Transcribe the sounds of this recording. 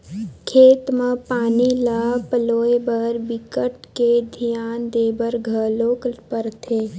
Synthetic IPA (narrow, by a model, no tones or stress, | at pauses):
kʰeːt̪mə̃paːnilaːpəloːebəɾbɪkəʈked̪ʱijaːnd̪eːbəɾɡʱəloːkpəɾt̪ʰeː